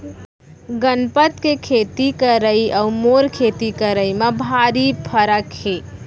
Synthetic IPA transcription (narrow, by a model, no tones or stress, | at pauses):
ɡənpət̪kekʰeːt̪ikəɾəiʔəumoɾkʰet̪ikəɾəimebʱaːɾipʰəɾəkhe